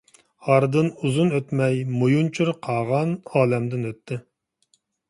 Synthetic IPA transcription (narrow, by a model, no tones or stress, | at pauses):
ɑɾd̪ɨnuzunøt̪mɛjmojunt͡ʃʰuɾqʰɑːʁɑnɑːlɛmd̪ɪnøt̪ʰːɪ